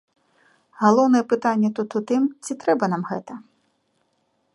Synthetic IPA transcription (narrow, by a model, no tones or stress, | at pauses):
ɣalˠɔwnɐjɛpɨt̪anʲːɛt̪ut̪ut̪ɨmt͡sʲit̪ɾɛbɐnamɣɛt̪ɐ